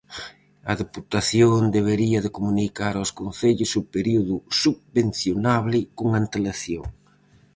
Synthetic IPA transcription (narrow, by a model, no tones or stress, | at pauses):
ɐðeput̪aθjond̪eβ̞eɾiɐðekomunikaɾawskon̟θeʎʊsupeɾiuðʊsuβben̟θjonaβlɪkoŋant̪elaθjoŋ